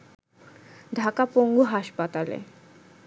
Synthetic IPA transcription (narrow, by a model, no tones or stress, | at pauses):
d̪ʱakapoŋɡuɦaʃpat̪alḛ